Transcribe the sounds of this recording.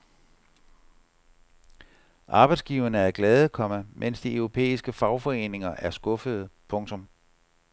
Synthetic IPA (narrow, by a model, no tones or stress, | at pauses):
ʔɑ̈ːb̥ɑ̈ɪd̥sɡ̥iʊɐnəæɐɡ̥lɛːð̞ˠəkʰɒ̽məmʔen̰sd̥iœʊʁo̝pʰḛːisɡ̥əfɑ̈ʊfɒ̽e̝̰ːne̝ŋɐʔæɐsɡ̥ɔ̽fəð̞̩ˠpʰɔ̽ŋt͡sʰɔ̽m